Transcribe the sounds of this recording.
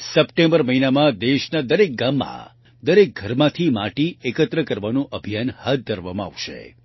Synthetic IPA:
səpʈẽmbəɾməɦinamãd̪eʃnad̪əɾek̚ɡamːã̰ | d̪əɾek̚ɡʱəɾmãt̪ʰimaʈiekət̪ɾəkəɾʋanũʔəbʱijanhat̪̚d̪ʱəɾʋamãa̰ʋʃḛ

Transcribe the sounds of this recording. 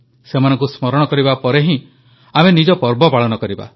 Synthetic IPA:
semanɔ̃ŋkusmɔɾɔɽ̃ɔkɔɾibapɔɾeɦĩ | amenid͡ʒɔpɔɾbɔpaɭɔnɔkɔɾiba̰

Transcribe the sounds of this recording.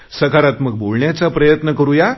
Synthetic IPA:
səkaɾat̪məɡboɭɳjat͡sapɾəjət̪nəkəɾuja

